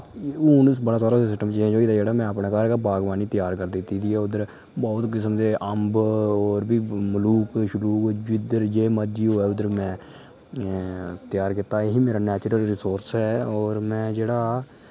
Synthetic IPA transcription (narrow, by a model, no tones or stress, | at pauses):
uːns̬bəɽaːsaːɾaːsɪsʈəmt͡ʃẽd͡ʒoːiːt̪ad͡ʒeːɽaːmɛ̃ːəpɳẽːkaːɾkabaːɡʋaːniːt̪ɪjaːɾkəɾd̪ɪt̪ːiːd̪iːɛːʊd̪əɾ | bɔːt̪kɪsəmd̪eːʔəmbɔːɾbʱiːmʊluːkʃʊluːkd͡ʒɪd̪əɾd͡ʒeːməd͡ʒiːoːɛːʊd̪əɾmɛ̃ː | t̪jaːɾkɪt̪aːeɦiːmeːɾaːnɛːt͡ʃɾəlɾɪsoːɾsɛːɔːɾmɛ̃ːd͡ʒeːɽaː